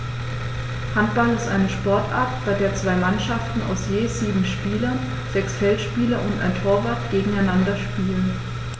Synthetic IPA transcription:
hantb̥alɪstʔaɪnəʃpɔɐtʔa̰ɐtb̥aɪdeːɐt͡sv̥aɪmanʃaftn̩a̰ʊsjeːziːbm̩ʃpiːlɐn | z̥ɛksfɛltʃpiːlɐʔʊntʔa̰ɪntʰoːɐvaɐtɡ̥eːɡŋ̩aɪnandɐʃpiːlən

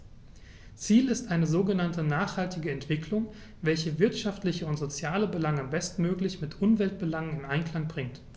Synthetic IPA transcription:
t͡siːlɪstʔaɪnəzoːɡənantənaːχhaltɪɡəɛntv̥ɪklʊŋ | vɛlçəvɪɐtʃaftlɪçəʊntz̥ot͡sjaːləbəlaŋəbɛstn̩møːklɪçmɪtʔʊmvɛlt̚b̥əlaŋənɪnaɪnkl̥aŋbʁɪŋt

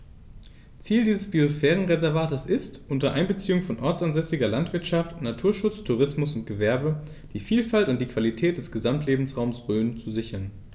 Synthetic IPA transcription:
t͡siːldiːzəsb̥iosfɛːʁ̞ənʁezɛɐvaːtəsɪstʔʊntɐʔa̰ɪnbət͡siːʊŋfɔnʔɔɐt͡sanzɛsɪɡɐlantv̥ɪɐtʃaftnatʰuːɐʃʊt͡stʰuʁ̞ɪsmʊsʊnt̚ɡ̥əvɛɐbə | d̥iːfiːlfaltʊntd̥iːkv̥alitʰɛːt̚d̥ɛsɡ̥əzamtʰleːbm̩sʁaʊmsʁøːnt͡suzɪçɐn

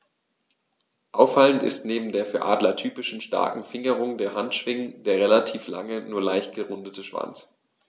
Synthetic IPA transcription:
ʔaʊfaləntɪ̰stneːbm̩deːɐfyːɐʔa̰ːdlɐtʰyːpɪʃn̩ʃta̰ɐkŋ̩fɪŋəʁ̞ʊŋdeːɐɦantʃv̥ɪŋəndeːɐʁelatʰiːfla̰ŋənuːɐlaɪçt̚ɡ̥əʁʊndətəʃv̥a̰nt͡s

